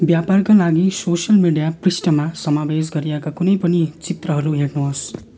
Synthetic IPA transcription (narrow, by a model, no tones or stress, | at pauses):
bjaparkalaɡisosʌlmiɖijaprisʈʌmasʌmabes̬ɡʌɾijekakunʌjpʌnit͡sit̪rʌɦʌɾuɦeɽnuɦos